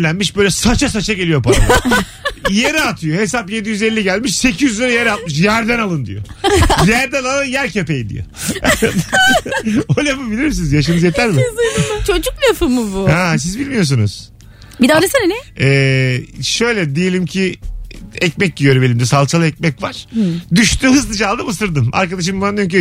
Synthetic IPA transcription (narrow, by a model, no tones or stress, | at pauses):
ænmiʃbøjlʲɛsat͡ʃʰas̬at͡ʃʰaɟe̞lʲijo̞paɾaa | jeɾɛat̪ʰɯjoɦe̞s̬apje̞d̪ijyzelʲːiɟælʲmiʃse̞cʰijyzlʲaɾajeɾat̪̚mɯʃ̬jæɾd̪ænalˠɯnd̪ḭjojæɾd̪ænalˠanjæɾcʰepejid̪ḭjo̰ | olʲafɯbilʲiɾmisinizjaʃamɯzjet̪ʰæɾmɪt͡ʃʰo̞d͡ʒuklʲafɯmɯbuhas̬izbilʲmijo̞ɾs̬unṵz̥ | bid̪ɛɾasɯnenɛɛːʃø̞jlʲɛd̪ejelʲimcʰi | ɛcmɛc̚ɟijøɾbelʲimd̪ɛsalˠt͡ʃʰalˠɯɛc̚mɛcvaɾ̥d̪yʃt̪yhɯzlˠɯd͡ʒaːlˠd̪ɯmɯsɯɾd̪ɯma̰ɾkad̪aʃ̬ɯmbaɾci